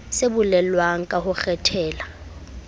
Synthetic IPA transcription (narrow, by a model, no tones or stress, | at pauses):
sebʊlɛlwaŋ̩kʼahʊk͡xʰɛtʰɛːla